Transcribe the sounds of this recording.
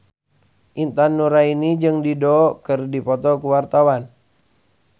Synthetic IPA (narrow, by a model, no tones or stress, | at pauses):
ʔint̪anːuɾainid͡ʒɨŋdidɔkɨrdipɔt̪ɔkuwart̪awan